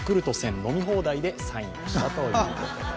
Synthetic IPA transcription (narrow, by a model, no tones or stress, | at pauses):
kɯ̟ɾɯ̟t̪o̞sẽ̞nno̞mʲiɦo̞ːd̪aid̪e̞sãĩɕt̪at̪oːɾio